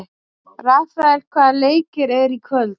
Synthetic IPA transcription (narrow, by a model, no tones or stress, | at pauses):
rafɾaɛlkʰvaðaleːjcɪɾɛɾikʰvœlt̪